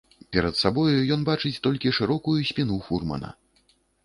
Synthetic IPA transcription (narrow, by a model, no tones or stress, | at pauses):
pʲɛɾɐt̪sabɔjujɔnbat͡ʂɨt͡sʲt̪ɔlʲkʲiʂɨɾɔkujusʲpʲinufurmɐ̰nɐ̰